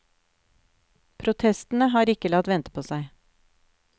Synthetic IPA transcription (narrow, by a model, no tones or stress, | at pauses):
pʰɾʊt̪ʰɛst̪n̩əɦɑːɾɪkəlɑt̪ʋɛnt̪ə̥pʰoːsæɪ